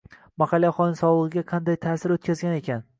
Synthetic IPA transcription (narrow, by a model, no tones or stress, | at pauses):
mahɑlˠːjaχɒnsɒlˠʁɨɡʲaqʰɑnd̪ajt̪ʰaːsɪɾot̪̚kʲazɡʲane̞kʲʰan